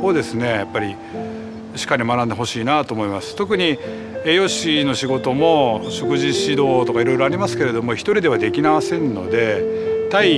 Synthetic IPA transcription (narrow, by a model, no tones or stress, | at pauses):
oːd̪e̞sɨne̞japːaɾʲi | ɕi̥kːaɾʲimanãnd̪eɦo̞ɕiːnat̪o̞ːmo̞imasɨ̥t̪o̞kɯ̟ɲ̟i | eːjo̞ɕino̞ɕiɡo̞t̪o̞mo̞ɕo̞kɯ̟ʑiɕid̪o̞ːt̪o̞kaiɾo̞iɾo̞aɾʲimasɨ̥ke̞ɾe̞d̪o̞mo̞çi̥t̪o̞ɾʲid̪e̞ad̪e̞kʲinaβasẽ̞nːo̞̰d̪e̞ | t̪ai